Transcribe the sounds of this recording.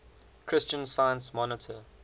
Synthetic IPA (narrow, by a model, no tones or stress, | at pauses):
kʰɹ̥ɪst͡ʃə̃nsaɪə̃nsmɔnɪtʰə